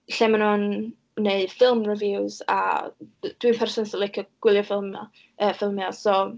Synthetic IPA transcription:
ɬɛmanunː | eɨ̥fɪlˠmrɪvjuwza̰ | d̥wipʰɛrsɔnsəlˠɪkʰəɡ̥wɪlˠjɔfɪlˠma | əfɪlˠmiasɔ

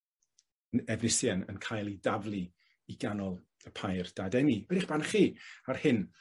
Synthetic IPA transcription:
ənɛvnɪsjanə̰nkʰajlˠidavlˠi | iɡanɔlˠ | əpʰajrd̥adɛniɛdɪχb̥anχiːarhɨn

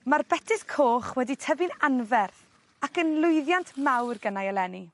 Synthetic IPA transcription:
marbɛtʰɪskʰoːχwɛditʰəvɪnanvɛr | akənlˠʊjðjantʰmawrɡənajɔlɛni

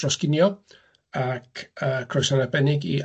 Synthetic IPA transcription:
rɔskɪnjɔ | akʰəkʰrɔjsanabɛnɪɡḭ

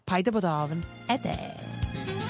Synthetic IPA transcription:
pʰajd̪əboːdɔvn | ɛd̪ɛ̰

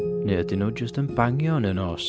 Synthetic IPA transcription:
nɛdɪnod͡ʒəstənbaŋjɔnənɔs

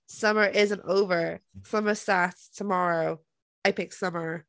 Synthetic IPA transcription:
sʌmə˞ʔɪzə̃ntoʊvə˞sʌmə˞statstʰəmɑɹoʊ | aɪpɪksʌmə˞

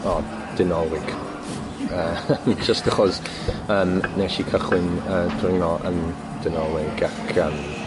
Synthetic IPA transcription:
ɔ | d̥ɪnɔlɪɡ̥ | əːd͡ʒəstəχɔz | əːmnɛʃikʰəχwɪnəːdrɪŋnɔʔə̰n | d̥ɪnɔlˠɪɡakʰəːm

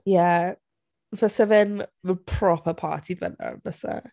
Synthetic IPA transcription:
ja | vəsəvɛnməpʰɹ̥ɔpʰəpʰa̰ːtʰivə̰nə̰vəsə̰

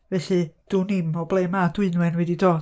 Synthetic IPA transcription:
vɛɬɨd̥unɪmɔblˠemadwɨnwɛnwɛdidoː

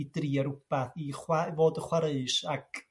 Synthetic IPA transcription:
driːaɾʊpaθiχwavoːdəχwaɾeɨʃakʰ

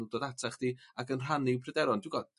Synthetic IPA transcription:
udoːdatʰaχd̥iːakənr̥anipʰrɛdɛɾɔndɪwɡɔ

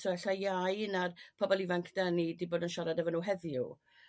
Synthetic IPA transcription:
sɔɛɬajajnarpʰɔbɔlˠivaŋkʰd̥anidiboːdənʃɔɾadɛvənuɦɛðjṵ

